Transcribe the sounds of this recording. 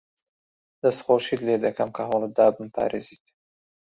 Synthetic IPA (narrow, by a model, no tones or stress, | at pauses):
d̪̥asχoʃid̪leːd̪akamkaɦold̪ɑːbmpɑ̰ːɾezit̪